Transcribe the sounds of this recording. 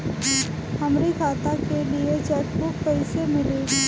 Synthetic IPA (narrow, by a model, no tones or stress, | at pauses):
hɐmɾikʰaːt̪akeliet͡ʃɐʈpʊkpɐɪsemɪle